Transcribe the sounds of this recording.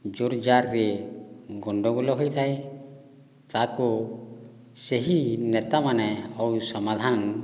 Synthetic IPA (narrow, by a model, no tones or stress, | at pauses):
d͡ʒoɾd͡ʒaɾɾɛ | ɡɔɳɖɔɡɔlɔɦɔjt̪ʰaj | t̪ako | seɦinɛt̪amanɛɔwsɔmad̪ʱan